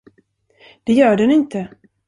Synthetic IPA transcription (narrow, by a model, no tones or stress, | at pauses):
d̪̥ɛjœːɖɛnɪnt̪ə